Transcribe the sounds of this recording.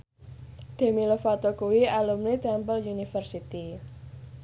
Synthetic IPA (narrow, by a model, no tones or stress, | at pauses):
ɖ̪̥e̤milofat̪okuwialumlid̪ampəljunifərsit̪i